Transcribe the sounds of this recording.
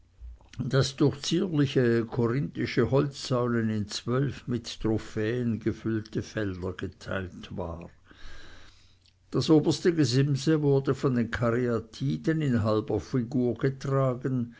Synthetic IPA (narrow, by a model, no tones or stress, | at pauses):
d̥asd̥ʊɐxt͡siːɐlɪçəkʰoʁɪntɪʃəhɔlt͡sːaʊlənɪnt͡sv̥œlfmɪttʁofɛːənɡəfʏltəfɛldɐɡ̥ətʰa̰ɪltva̰ː | d̥asʔoːbɐstəɡəzɪmzəvʊɐdəfɔndeːnkʰaʁiatʰiːdənɪnɦalbɐfiɡuːɐɡ̥ətʁ̥aːɡən